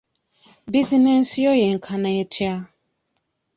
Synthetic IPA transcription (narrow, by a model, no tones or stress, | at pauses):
bizinɛnsjɔjɛŋ̩kʰanaɛtʰia